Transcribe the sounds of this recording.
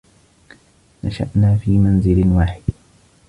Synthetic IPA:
naʃa̰ʔnaːfiːmanzɪlwaːħɪd̪

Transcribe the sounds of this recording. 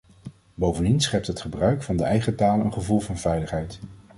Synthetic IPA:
bowvəndinsχɛp̚tɦətχəbrœɥkfɑndəʔɛjχətaːləə̰nχəvulˠvɑnvɛjləχɦɛjt

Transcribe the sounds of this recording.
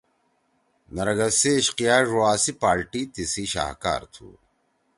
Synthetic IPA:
nɐɾɐɡɐseɕqijaːʐuaːsipaːɾʈit̪isiɕa̰ːhka̰ːɾt̪ʰṵː

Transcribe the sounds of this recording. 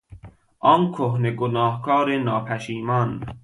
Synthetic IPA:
ʔɒːnkʰohneɡonɑːhkʰɑːɾenɒːpʰæʃiːmɒn

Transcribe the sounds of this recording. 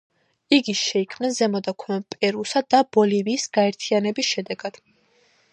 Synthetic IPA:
iɡiʃɛikʰmnɛnzɛmɔd̪akʰɔpʼɛɾusad̪ab̥ɔliviːsɡaɛɾt̪ʰianɛbisʃɛd̪ɛɡad̪̥

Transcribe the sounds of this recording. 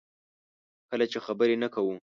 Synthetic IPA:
kəlat͡ʃexabəɾenakawu

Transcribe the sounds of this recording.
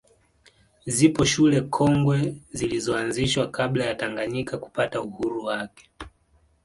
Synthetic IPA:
zipɔʃulɛkʰɔŋɡwɛzilizɔanziʃwakaɓlajataŋɡaɲikaku̥patauhuɾuwakɛ̥

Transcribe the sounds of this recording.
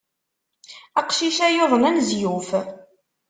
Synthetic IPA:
ɑqʃiʃæjoðˤənænzjuf

